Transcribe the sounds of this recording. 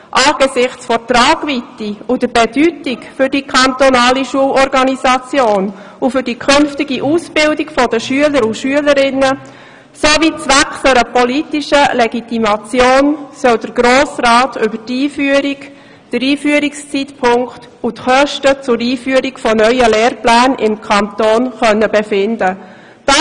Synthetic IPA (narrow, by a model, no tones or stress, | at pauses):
ʔaːɡ̥esɪχt͡sfɔtraːɡ̥vitiud̥əbedytikfʏrdikʰɑnt̪onaːliʃuəlɔɾɡɑnisɑt͡sjoːn | ufʏɾd̥ikʰʏnftɪɡiʔuːsbɪldikfɔdəʃyələɾuʃyələɾɪnə | sovit͡sʋɛksəɾəpolitiʃəleɡitimɑt͡sjoːnsœldəɾɡ̥ɾoːsraːtʰʏbətiːfyəɾik | d̥əɾiːfyəɾikst͡sitpʰʊŋkt | utχœʃtət͡sʊɾiːfyəɾikfɔnœʏəleːɾplæːnɪ̰mkʰɑnt̪oːnχœnːəbefɪndə | d̥ɑ